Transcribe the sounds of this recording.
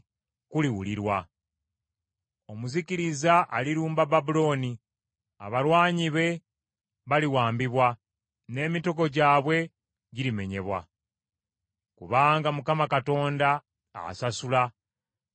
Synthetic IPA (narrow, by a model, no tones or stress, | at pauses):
kuliwuliɾwa | o̞muziciɾizaʔaliɾuːmbababulo̞ːni | a̰βalwaːɲiβe̞ | βaliwaːmbiβwa | ne̞ːmito̞ko̞ɟaːβwe̞ | ɟiɾime̞ɲe̞βwa̰ | kuβaːŋɡamukamakato̞ːnda̰ː | sasula